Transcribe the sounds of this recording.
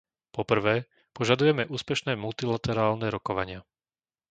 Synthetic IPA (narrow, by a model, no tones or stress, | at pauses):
pɔpr̩ʋɛː | pɔʒad̪ujɛmɛʔuːspɛʃnɛːmult̪ilat̪ɛɾaːlnɛɾɔkɔʋaɲɪa